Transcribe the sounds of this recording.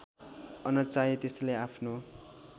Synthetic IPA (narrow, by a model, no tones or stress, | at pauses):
ʌnʌt͡saet̪eslajapʰno